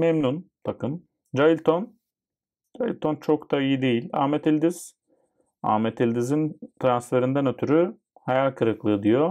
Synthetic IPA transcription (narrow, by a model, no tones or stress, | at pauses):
mɛmnunt̪ʰakɯn | d͡ʒajilʲt̪ʰo̞n | d͡ʒajḭlʲt̪ʰo̞nt͡ʃʰo̞kt̪aijid̪ejilʲa̰ːmet̪ʰilʲd̪iz̥ | a̰ːmet̪ʰilʲd̪izint̪ʰɾansfe̞ɾind̪ænø̞t̪ʰyɾy | hajalʲkʰɯɾɯklˠɯːd̪ijo